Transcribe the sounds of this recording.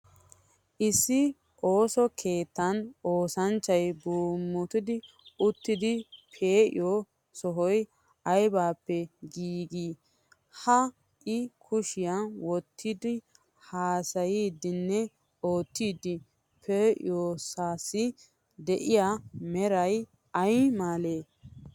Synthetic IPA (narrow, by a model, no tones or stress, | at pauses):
ʔɪsːɪ | ʔo̞ːsɔkʰe̞ːt̪ːɐno̞ːsɐnt͡ʃːɐjbuːmːʊt̪ɪd̪ɪ | ʊt̪ːɪd̪ɪpʰeːʔɪ̰jo | sɔɦɔj | ʔɐjbaːpːɛɡiːɡi | hɐ | ʔɪkʰʊʃɪjɐnwɔt̪ʰːɪd̪ɪ | haːsɐjiːd̪ɪnːɛ | oːt̪ːiːd̪ɪ | pʰeːʔɪ̰joːsaːsɪ | d̪ɛʔɪjamɛɾɐj | ɐjmaːleː